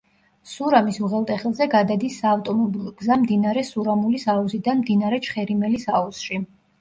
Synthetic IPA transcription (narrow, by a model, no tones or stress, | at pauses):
suɾamisuʁɛlˠt̪ʼɛχɛlˠzɛɡad̪ad̪isːaːft̪ʼɔmɔbilˠɔɡzamd̪inaɾɛsuɾamulisauzid̪anmd̪inaɾɛt͡ʃʰχɛɾimɛlisausʃi